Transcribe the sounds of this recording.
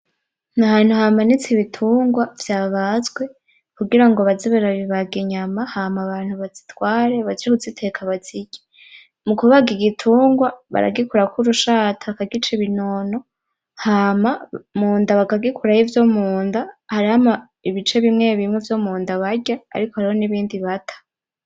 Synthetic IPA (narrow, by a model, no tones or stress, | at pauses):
naɦaːn̥uhamanit͡siβitʰuːŋɡwav̥jaːβazɡwe̞ | kuɡiɾaŋɡoβaziβaɾaβiβaɡiɲamahamaβaːn̥huβazitwaːɾe̞βaziɾikuzitʰe̞kʰaβaz̥iɟe̥ | mukuβaɡiɡitʰuːŋɡwaβa̰ɾa̰ɡikuɾakuɾuʃatʰaakaɡit͡ʃeβino̞no̞ | hamamuːndaβakaɡikʰuɾajivjomuːndahaɾihama | iβit͡ʃe̞βimŋe̞βimŋevjomuːndaβaɟa̰ːɾikohaɾiho̞niβiːndiβatʰḁ